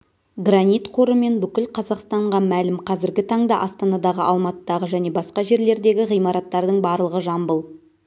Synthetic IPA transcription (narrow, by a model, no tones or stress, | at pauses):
ɡranijt̪qʰo̞ɾəme̞nbʏkʲɪlqʰɑzɑqst̪ɑɴʁɑmælɪmqʰɑzɪɾɡʲɪt̪ʰɑɴd̪ɑʔɑst̪ɑnɑd̪ɑʁəʔɑlˠmɑt̪əd̪ɑʁəʒæne̞bɑsqɑʒe̞ɾle̞ɾd̪e̞ɡʲɪʁijmɑɾɑt̪ːɑɾd̪əɴbɑɾlˠəʁəʒɑmbəlˠ